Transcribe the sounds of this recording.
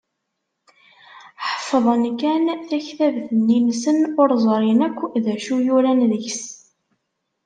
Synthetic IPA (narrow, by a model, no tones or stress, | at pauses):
ħə̥fːəðˤənkænθæçθævθənːinsənʊɾzˤɾˤinækʷːðæʃujuɾænðəçs